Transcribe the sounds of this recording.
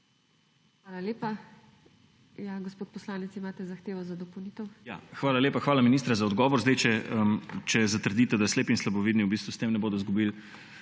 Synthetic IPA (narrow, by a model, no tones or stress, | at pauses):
xʋaːlaleːpa | jaɡospoːt̪̚pɔslaːnɛt̪simaːt̪ɛzaxt̪eːʋɔzad̪ɔpowniːt̪əwja̰xʋaːlaleːpaxʋaːlaminist̪ɾazaɔd̪ɡɔːʋɔɾzd̪ɛjt͡ʃɛət͡ʃɛzat̪əɾd̪it̪ɛd̪asleːpinslabɔʋiːd̪niwbiːst̪ʋust̪eːmnɛboːd̪ɔzɡubil